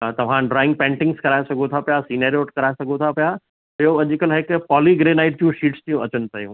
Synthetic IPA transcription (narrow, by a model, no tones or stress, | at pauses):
t̪ɐʋ̤ãɖɾɔːɪ̃ŋɡ̚pẽːɳʈɪ̃ŋɡskɐɾaːesɐɡʱut̪ʰapijasineːɾioːʈkɐɾaesɐɡʱũt̪ʰapija | joɐʄʊ̆kəlɦɪkpɔːliɡɾeːnaːɪʈ̚d͡ʑjũʃiːʈst̪ijũʔɐt͡ɕənɪ̆pɐjṵ̃